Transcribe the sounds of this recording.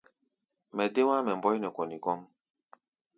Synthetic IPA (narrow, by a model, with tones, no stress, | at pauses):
mɛ˨de˦wa˦mɛ˨m˨bɔ˦jnɛ˨kɔ˨ni˨kɔ˦m